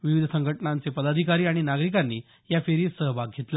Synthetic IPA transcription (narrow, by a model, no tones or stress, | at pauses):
ʋiʋid̪ʱəsəŋɡʱəʈnant͡sepəd̪ad̪ʱikaɾiːaɽ̃inaɡɾik̬anːiː | jafeɾiːsəɦbʱaɡ̚ɡʱet̪la